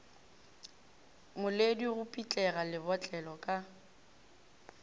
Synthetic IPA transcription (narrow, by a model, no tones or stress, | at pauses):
mʊlediɣʊpʼit͡ɬʼɛɣalɪbɔt͡ɬʼɛlɔkʼa